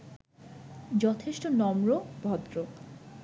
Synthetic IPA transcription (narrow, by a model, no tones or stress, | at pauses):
d͡ʑɔt̪ʰeʃʈonɔmɾobʱɔd̪ɾo